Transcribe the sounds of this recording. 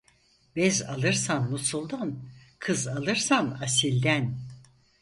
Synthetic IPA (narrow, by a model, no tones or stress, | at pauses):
bɛzalˠɯɾsanːusulˠd̪ankʰɯzalˠɯɾsanasilʲd̪æn